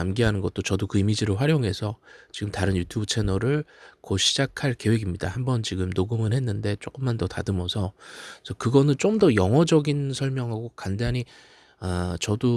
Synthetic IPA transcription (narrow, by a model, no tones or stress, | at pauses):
amɡiɦanɯnɡʌt̚t͈ot͡ɕʌdokɯimid͡ʑiɾɯɭɸwaɾjoŋɦe̞sʰʌt͡ɕiɡɯmtaɾɯnjutʰjubɯt͡ɕʰe̞nʌɾɯɭkʌɕʰid͡ʑakʰaɭke̞we̞ɡimɲida̰hambʌnt͡ɕiɡɯmnoɡɯmɯnɦe̞nːɯnde̞t͡ɕ͈ok͈ɯmːandʌtadɯmʌsʰʌsʰʌkɯɡʌnɯnt͡ɕ͈omdʌjʌŋɦʌd͡ʑʌɡinsʰʌɭmjʌŋɦaɡokandaɲi | at͡ɕʌdo